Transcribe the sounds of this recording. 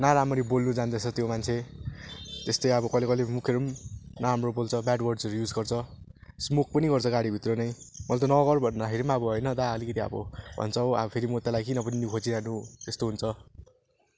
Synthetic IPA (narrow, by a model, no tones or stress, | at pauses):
naɾamʌɾibolnud͡zand̪ʌt͡sʰʌt̪jomant͡sʰe | t̪est̪ʌjʌbʌkʌjlekʌjlemukʰjeɾumnaɾamrobolt͡sʰʌbaɖwʌrɖd͡zʌɾujud͡zɡʌrt͡sʰʌsmuk̚ʰpʌniɡʌrt͡sʰʌɡaɽibʱit̪ronʌj | mʌlt̪ʌnʌɣʌrbʱʌnd̪akʰeɾimʌbʌɦojnʌd̪aʌlikʌt̪iʌ̰bʌbʱʌ̰nt͡sʰʌwa̰bʌpʰeɾimot̪alajkinʌpʌninukʰot͡siɾanut̪est̪oɦunt͡sʰʌ